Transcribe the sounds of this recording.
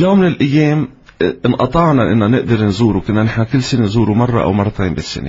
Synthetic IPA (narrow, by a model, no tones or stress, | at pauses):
joːmːɪnɪlʔajːeːm | ɪnʔɑt̪ˤɑʕnɑʔɪnːanɪʔd̪ɑɾnzuːɾukɪnːanɪħnakɪlːsɪnenzuːɾumɑrˤːɑ̰ʔa̰wmɑrˤːɑt̪ʰeːmbɪsːɪ̰nḛ